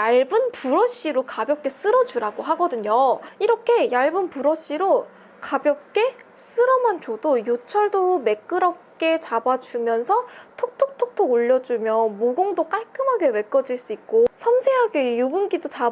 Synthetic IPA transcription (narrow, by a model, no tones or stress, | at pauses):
aɭbɯnpuɾʌɕ͈iɾokabjʌp̚k͈e̞s͈ɯɾʌd͡ʑuɾaɡoɦaɡʌdɯɲoiɾʌkʰe̞jaɭbɯnpuɾʌɕ͈iɾo | kabjʌp̚k͈e̞ | s͈ɯɾʌmant͡ɕodojot͡ɕʰʌɭdome̞k͈ɯɾʌp̚k͈e̞t͡ɕabad͡ʑumjʌnsʰʌtʰok̚tʰok̚tʰok̚tʰoɡoʎːʌd͡ʑumjʌmoɡoŋdok͈aɭk͈ɯmɦaɡe̞we̞k͈ʌd͡ʑiɭs͈uik̚k͈osʰʌmsʰe̞ɦaɡejobunɡidot͡ɕa